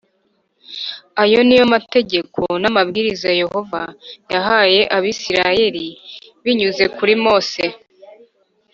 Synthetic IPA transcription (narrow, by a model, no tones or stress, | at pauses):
ajo̞nijomate̞ɟe̞kʰo̞namabɡiːɾizaje̞ho̞vajaɦaːje̞ʔaβisiɾaje̞ɾiβiɲuze̞kuɾimo̞ːse̞